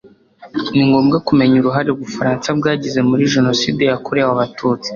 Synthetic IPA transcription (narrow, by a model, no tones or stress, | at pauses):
niŋɡo̞ːmɡakume̞ɲuɾuɦaɾeuβufaɾaːnsab̚ɡaːɟize̞muɾiʒe̞no̞siːde̞jakoɾewaβatʰuːt͡si̥